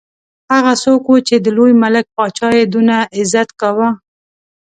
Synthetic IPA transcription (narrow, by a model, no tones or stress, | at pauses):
haɣasokwot͡ʃed̪əlojmalək̚pɑt͡ʃɑjed̪unaʔɪzat̪kawa